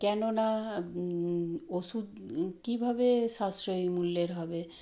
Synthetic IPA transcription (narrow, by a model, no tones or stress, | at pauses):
kɛnona | oʃud̪kibʱabeʃasɾojmulːeɾɦɔbe